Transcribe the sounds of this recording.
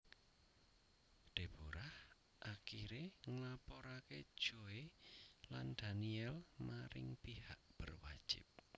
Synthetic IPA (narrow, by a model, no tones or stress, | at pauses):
ɖ̪̥e̤b̥oɾah | ʔakiɾeŋlapɔɾaked̥ʒ̥oeland̪̥a̤niɛlmaɾɪ̰ŋpihaʔb̥ərwad̥ʒ̥ɪ̰p̚